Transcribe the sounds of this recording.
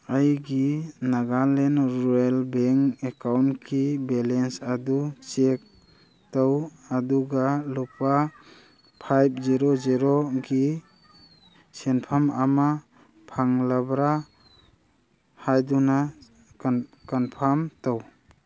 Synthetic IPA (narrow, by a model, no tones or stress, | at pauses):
ajɡinaɡalenɾuelbeŋkekawnkʰibelensadut͡ʃek̚ | tawaduɡalupa | pʰajb̚ʰziɾɔziɾɔɡi | senpʰamama | pʰaŋlabɾa | hajduna | kanpʰamtaw